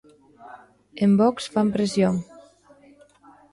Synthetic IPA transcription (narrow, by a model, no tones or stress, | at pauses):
embɔksfampɾesjoŋ